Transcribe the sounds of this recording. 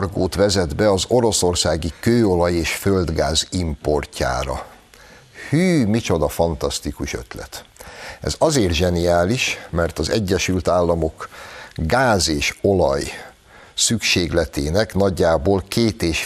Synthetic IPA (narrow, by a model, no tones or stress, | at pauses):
rɡoːt̪ʋɛzɛd̪bɛɒzo̞ɾo̞so̞rsaːɡikøːo̞lɒjeːʃføld̪ɡaːzimpo̞rcʰa̰ːɾɒ̰ | hyːmit͡ʃo̞d̪ɒfɒnt̪ɒst̪ikuʃø̞̰t̪lɛ̰t̪ɛ̰zɒzeːrt̪ʒɛnijaːliʃmɛrt̪ɒzɛ̰ɟːɛʃylt̪aːlːɒmo̞kɡaːzeːʃo̞lɒj | sykʃeːɡlɛt̪eːnɛknɒɟːaːboːlkʰeːt̪eːʃ